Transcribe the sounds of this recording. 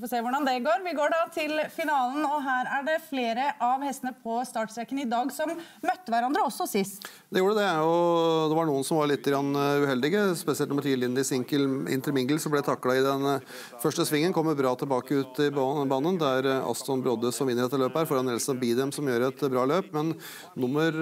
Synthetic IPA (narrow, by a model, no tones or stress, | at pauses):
fɔseːʋʊɖɑnd̪ɛɡoːɾʋɪɡoːɖɑt̪ʰɪlfɪnɑːlənɔɦæːɾæɖɛfleːɾəʔɑʋhɛst̪ənəpʰɔst̪ɑːʈsɾɛkənɪd̪ɑːɡsɔmmœt̪ːəʋæɾɑnd̪ɾəɔsːɔsɪs | d̪ɛjuːɖəd̪ɛɔd̪ɛʋɑɳuːənsɔmʋɑɾɭɪt̪ːəɡɾɑnːʉhɛld̪ɪɡəspɛsɪɛlt̪ɔmːʈʰiːlɪnːəɪsɪŋkəlɪ̰nt̪əɾmɪŋɡ̪l̩sɔmblɛt̪ʰɑkːlɑɪd̪ɛn | fœʂʈəsʋɪŋːənkʰɔmːəɾbɾɑːt̪ʰɪlbɑːkəʉːt̪ɪbɑːnənd̪æɾɑ̰st̪ɔnbɾɔd̪əsɔmɪnːɾɛt̪ːəløːpəæːɾfɔɾhɑnɛlsɑbiːd̪ɪɛmsɔmjøːɾəɛt̪bɾɑːløːpmɛnː | ʊməɾ